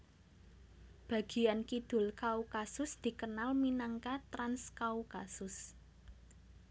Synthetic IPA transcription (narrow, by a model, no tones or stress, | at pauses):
b̥ä̤ɡ̥i̤jankid̪̥ʊ̤lkaukasʊsd̪̥i̤kənalminaŋkat̪ɾanskaukasʊs